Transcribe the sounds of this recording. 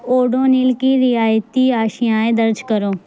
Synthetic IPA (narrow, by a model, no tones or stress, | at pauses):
oːɖõːnɪlkiːɾɪaːjt̪iːaːʃɪjãːẽːd̪əɾd͡ʒkəɾoː